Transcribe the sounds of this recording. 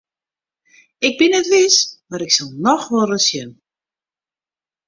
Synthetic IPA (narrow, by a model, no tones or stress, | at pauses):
ɪk̚bɪnɛtʋɪsmaɾɪksalˠnɔxʋɔlrəsjən